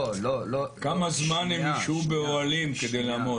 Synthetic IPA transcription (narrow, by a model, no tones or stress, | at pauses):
kamazmanemiʃubeoalimked̪ejlaːmo